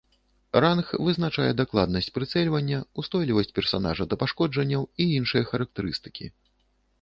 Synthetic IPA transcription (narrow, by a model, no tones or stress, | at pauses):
ranxvɨznat͡ʂajɛd̪aklˠad̪nɐsʲt͡sʲpɾɨt̪sɛlʲvɐnʲːɐust̪ɔjlʲivɐsʲt͡sʲpʲɛrsana̰ʐɐd̪ɐpaʂkɔd͡ʐɐnʲːɐwiinʂɨjɐxɐɾɐk̚t̪ɛɾɨst̪ɨ̥kʲḭ